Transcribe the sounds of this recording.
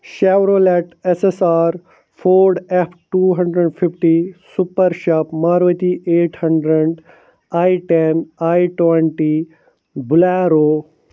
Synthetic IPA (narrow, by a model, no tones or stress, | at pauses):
ʃaːʋɾoːleʈesesaːɾ | pʰoːɾɖepʰʈuːɦɐ̃ɳɖɾeɖpʰipʰʈisupɐɾʃaːpmaːɾʋət̪iʔeːʈhɐ̃ɳɖɾeɖ | aːiʈenaːjʈweɳʈi | bulaːɾoː